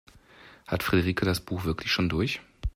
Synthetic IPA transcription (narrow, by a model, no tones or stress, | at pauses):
hatfʁ̥edeʁiːkʰədasb̥uːxv̥ɪɐklɪçʃoːndʊɐç